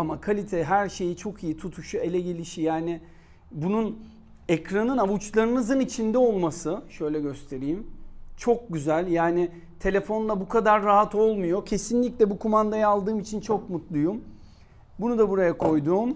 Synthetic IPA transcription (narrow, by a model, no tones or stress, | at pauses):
amakʰalʲit̪ʰɛɦæɾʃe̞jit͡ʃʰo̞kʰijit̪ʰut̪ʰuʃue̞lʲɛɟe̞lʲiʃijaːnɪ | bunun | ɛcɾanɯnavut͡ʃlˠaɾɯnɯzɯnit͡ʃʰind̪ɛo̞lˠmasɯʃø̞jlʲɛɟø̞st̪ʰe̞ɾijimt͡ʃʰo̞k̚ɟyzælʲjaːnɪ | t̪ʰe̞lʲe̞fo̞nlˠabukʰad̪aɾːaɦat̪ʰo̞lˠmujo̞cʰe̞sinlʲicʲlʲɛbukʰumand̪ajaaːlˠd̪ɯːmit͡ʃʰint͡ʃʰo̞k̚mut̪lˠujum | bunud̪abuɾajakʰo̞jd̪uːm